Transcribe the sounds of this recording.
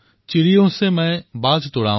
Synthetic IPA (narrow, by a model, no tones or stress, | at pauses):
t͡ɕɪɾijõsemɛ̃ːbaːd͡ʒʱt̪oːɽaː